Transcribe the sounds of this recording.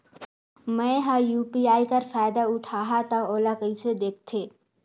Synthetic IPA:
mɛ̃ːɦãjuːpiaːikɐɾfaːjd̪aʊʈʰaːɦat̪ãoːlakəised̪eːk̚ʰt̪ʰeː

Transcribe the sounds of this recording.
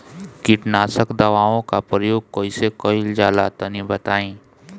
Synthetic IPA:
kiʈnaːsəkd̪ɐʋaːõkapɾəjoːɡ̚koːisekoild͡ʒjaːlat̪ɐnĩbɐt̪aːĩː

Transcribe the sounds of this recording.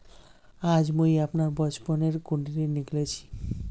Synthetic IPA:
ad͡ʑmojapnaɾbɔd͡ʑponeɾkoɳɖiɾeniɡlet͡ɕʰi̥

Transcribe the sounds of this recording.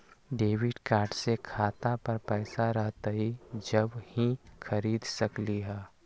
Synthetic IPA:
ɖeːʋɪɖkaːɾɖsekʰaːt̪apɐɾpɛːsaɾɐɦt̪aɦid͡ʒɐbhĩxʰɐɾiːd̪sɐkliɦɛː

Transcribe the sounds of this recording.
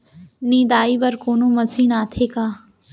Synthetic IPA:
nĩːd̪aːiːbəɾkoːnõːməsiːnaːt̪ʰeːkaː

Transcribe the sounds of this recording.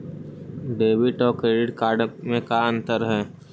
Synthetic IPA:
ɖeːbɪʈɔːɾkɾeːɖɪʈkaːɾɖmẽkaə̃nt̪əɾɦɛː

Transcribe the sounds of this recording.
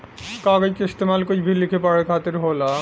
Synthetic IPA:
kaɡakeest̪emalkod͡ʑbʱilːikʰepaɾekʰat̪eɾɦola

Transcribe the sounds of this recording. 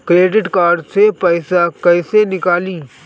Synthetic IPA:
kɾeːɖɪʈkaːɾɖsepəɪsakəɪsenɪkaːliː

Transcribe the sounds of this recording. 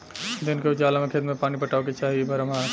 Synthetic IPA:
d̪ɪnkeʊd͡ʒaːlamẽkʰeːt̪mẽpaːnipɐʈaːoket͡ʃaːɦiebʱɐɾəmaː

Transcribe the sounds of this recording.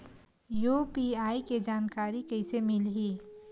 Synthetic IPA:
jupiaːiked͡ʒaːnkaːɾikɐɪsemɪlɦiː

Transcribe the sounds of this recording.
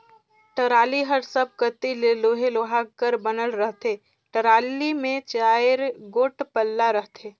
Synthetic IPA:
ʈəɾaːliɦəɾsəb̚kət̪ileloːɦeloɦakəɾbənəlɾəɦt̪ʰe | ʈəɾaːlimẽt͡ʃaːjəɾɡoːʈpəlːaɾəɦt̪ʰeː

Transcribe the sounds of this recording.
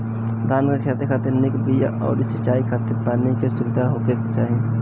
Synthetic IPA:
d̪ʱaːnkekʰat̪ekʰat̪iɾnikbija̰ʔɔ̰ːɾisit͡ʃaikʰat̪iɾpanikesubɪd̪ʱaɦokekt͡ʃaːɦi

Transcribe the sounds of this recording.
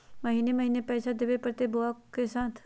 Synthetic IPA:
məɦiːneməɦiːnepɛːsad̪eʋepəɾt̪eboakesaːt̪ʰ

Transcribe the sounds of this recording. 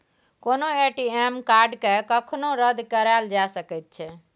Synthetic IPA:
konoeʈiemkaɾɖkekəkʰnoɾəd̪ʱkəɾald͡ʒasəkɛt̪̚t͡ʃʰɛ

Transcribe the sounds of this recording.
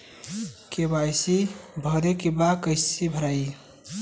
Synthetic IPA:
kebajsibʱəɾekibakəɪsibʱəɾaji

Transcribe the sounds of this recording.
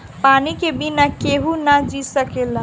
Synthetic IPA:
panikebinakeɦunad͡ʒisəkela

